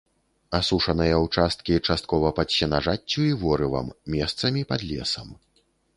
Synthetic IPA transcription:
asuʂɐnɐjɐwt͡ʂast̪̚kʲit͡ʂast̪̚kɔvɐpɐt̪ɕʲɛnaʐat͡st͡sʲːuivɔɾɨvɐ̰mːʲɛst̪sɐmʲipad̪lʲɛ̰sɐm

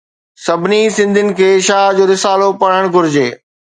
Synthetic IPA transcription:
sɐbʱɪnisɪ̃nd̪ʱɪnɪ̆kʰeːʃaːd͡ʑoːɾɪsaːlopɐɽ̤əɽ̃ɡʱʊɾɪd͡ʑeː

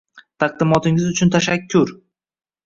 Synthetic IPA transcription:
t̪ʰɑq̚d̪ɪmɒt̪ɪŋɪzʊt͡ʃʰʊnt̪ʰaʃakʲʰːʊɾ

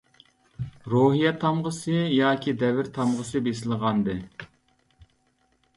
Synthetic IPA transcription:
ɾoɦijɛt̪ʰɑmʁəsɨjɑːkʲʰid̪ɛvɪɾt̪ʰɑmʁəsɨbesɪlˠəʁɑnd̪ɨ

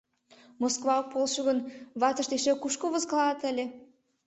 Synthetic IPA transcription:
moskvɑok̚polʃoɣənβɑt̪ə̆ʃd̪eʃekuʃkoβəzkɑlɑt̪əlʲe

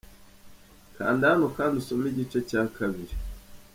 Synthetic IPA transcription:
ka̰ːndihanokandusomiɟit͡ʃecaːkʰaβiɾi

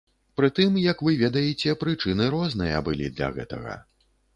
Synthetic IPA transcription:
pɾɨt̪ɨmjɐkvɨvʲɛd̪ɐjɛt͡sʲɛpɾɨt͡ʂɨnɨɾɔznɨjɐ̰bɨlʲḭd̪lʲɐ̰ɣɛ̰t̪ɐɣɐ̰

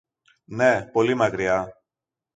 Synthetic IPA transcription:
ne̞po̞limɐkɾiɐ

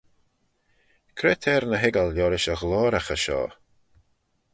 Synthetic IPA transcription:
kʰɾeːt̪ʰɛːɾnəɦɪɡəljɔːɾɪʃəɣlɔːɾaxəʃɔ̰ː

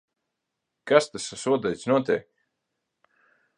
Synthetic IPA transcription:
kast̪asasuɔd̪ajt̪snuɔt̪ʲɛ̰ːk

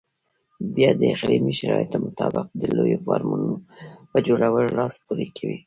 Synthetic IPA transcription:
bjɑd̪əɪxɾimiʃaɾɑjɪt̪omʊt̪ɑbɪq̚d̪əlojofɑɾmunopəd͡ʒoɽawəllɑspuɾikʰawi

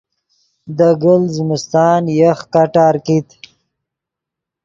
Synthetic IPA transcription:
d̪əɡəlzmust̪ɑːnjəxkaʈɑːɾkit̪

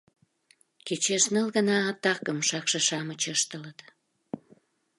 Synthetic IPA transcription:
ket͡ɕeʃnəlɣənɑːt̪ɑkəmʃɑkʃeʃɑmət͡ɕəʃt̪ələt̪

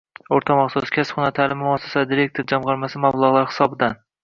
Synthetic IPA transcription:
oɾt̪ʰamɑχsɒskʲʰasχʊnat̪ʰalɪmmʊasːḁsad̪iɾe̞k̚t̪ʰoɾd͡ʒamʁɑɾmasɪmablˠɑʁlˠaɾhɪ̥sɒbɪd̪an

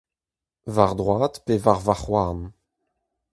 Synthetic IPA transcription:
vaʁd̪ʁwaːt̪pevaʁvaχwaːn

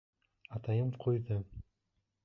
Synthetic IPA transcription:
ɑt̪ɑjɤmqʰujðɤ

